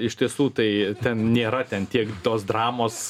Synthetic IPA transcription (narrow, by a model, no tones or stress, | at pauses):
ɪʃʲt̪ʲiɛsuːt̪ɐɪt̪ʲɛnnʲeːɾɐt̪ʲɛnt̪ʲiɛkt̪oːsd̪ɾɑːmoːs